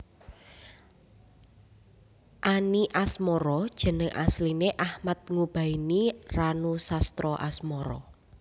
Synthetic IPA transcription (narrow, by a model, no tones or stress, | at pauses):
ʔaniʔasmɔɾɔd̥ʒ̥ə̤nəŋʔa̰slineʔahmat̪̚ŋub̥a̤iniranusast̪ɾɔʔa̰smɔɾɔ̰